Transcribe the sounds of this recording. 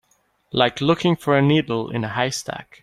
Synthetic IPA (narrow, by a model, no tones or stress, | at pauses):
laɪklʊkʰɪ̃ŋfə˞ɨnidl̩ˠɪ̰̃nəɦaɪstʰæ̰k